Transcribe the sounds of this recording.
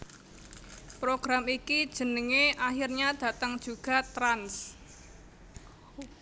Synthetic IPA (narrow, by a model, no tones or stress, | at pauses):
pɾoɡ̥ɾamikid̥ʒ̥ə̤nəŋeʔahirɲad̪̥ä̤t̪əŋd̥ʒ̥uɡ̥a̤t̪ɾans